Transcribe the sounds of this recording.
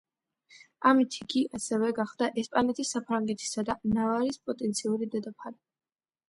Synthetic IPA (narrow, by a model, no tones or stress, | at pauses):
amit̪ʰiɡiʔasɛvɛɡaχd̪aʔɛspʼanɛt̪ʰisapʰɾaŋɡɛt̪ʰi̥sad̪anavaɾispʼɔt̪ʼɛnt̪sʰiuɾid̪ad̪apʰali